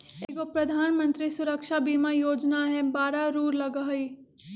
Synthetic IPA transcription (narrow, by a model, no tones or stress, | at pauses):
ɡopɾɐd̪ʱaːnmə̃nt̪ɾisʊɾəkʃabiːmajoːd͡ʒnaɦɛbaːɾaɾuːɾlɐɡaɦi